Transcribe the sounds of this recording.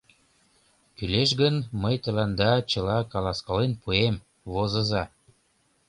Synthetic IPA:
kyleʃ̬ɡənməjt̪ə̆lɑnd̪ɑt͡ɕə̆lɑkɑlɑskɑlenpuem | βozə̆zɑ

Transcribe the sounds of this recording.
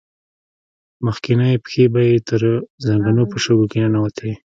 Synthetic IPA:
məxkɪnajepxebajet̪əɾzaŋɡanopəʃəɡokenanawat̪ʰai

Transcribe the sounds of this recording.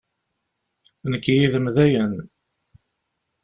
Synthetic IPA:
nəkːijiðəmðæjən

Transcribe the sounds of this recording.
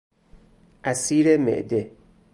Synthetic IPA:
ʔæsiːɾemḛʔd̪e

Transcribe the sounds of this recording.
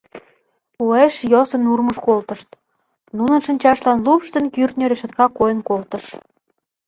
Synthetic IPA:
ueʃjosə̆nurməʃkolt̪ə̆ʃt̪ | nunə̆nʃə̆nʲt͡ɕɑʃlɑnlupʃt̪ənkyrt̪nʲøɾeʃə̆t̪kɑkojənkolt̪ə̆ʃ

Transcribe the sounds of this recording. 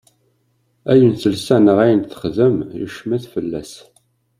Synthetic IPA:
æjənθəlsænəʁæjənθə̥χðəmjṵʃmæθfəlːæ̰s

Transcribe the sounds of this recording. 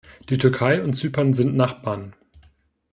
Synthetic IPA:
d̥iːtʰʏɐkʰaɪʊntt͡syːpanzɪntnaχb̥aːɐn

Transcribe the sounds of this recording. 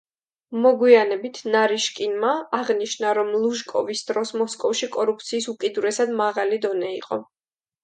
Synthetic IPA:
mɔɡwianɛbit̪ʰnaɾiʃkʼinmaːʁniʃnaɾɔmlˠuʒkʼɔvisd̪ɾɔsmɔskʼɔfʃikʼɔɾup̚ʰt̪sʰiːsukʼid̪uɾɛsad̪maʁalid̪ɔnɛiqʼɔ̰

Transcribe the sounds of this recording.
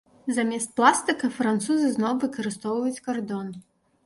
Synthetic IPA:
zamʲɛst̪̚plˠast̪ɨkɐfɾant̪suzɨznɔwvɨkɐɾɨst̪ɔwvɐjut͡sʲkard̪ɔn

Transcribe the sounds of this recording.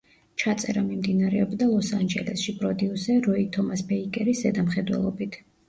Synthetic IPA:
t͡ʃʰat̪sʼɛɾamimd̪inaɾɛɔbd̪alˠɔsand͡ʒɛlɛsʃipʼɾɔd̪iusɛɾɔit̪ʰɔmasbɛikʼɛɾisɛd̪amχɛd̪wɛ̰lˠɔbit̪ʰ

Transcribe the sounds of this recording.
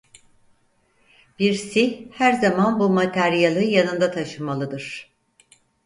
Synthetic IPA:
b̥iɾsihæɾzamanbumat̪ʰæɾijalˠɯjanɯnd̪at̪ʰaʃɯmalˠɯd̪ɯɾ̥

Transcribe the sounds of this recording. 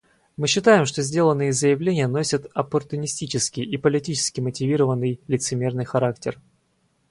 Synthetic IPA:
mɨɕːɪt̪ajɪmʂt̪ozʲdʲelˠənːɨjɪəzəjɪvlʲenʲɪjəno̞sʲət̪ɐpərt̪ʊnʲɪsʲtʲit͡ɕɪskʲɪjipəlʲɪtʲit͡ɕɪ̥skʲɪmətʲɪvʲiɾəvənːɨjlʲɪt̪sɨmʲe̞rnɨjxɐɾaktʲɪr

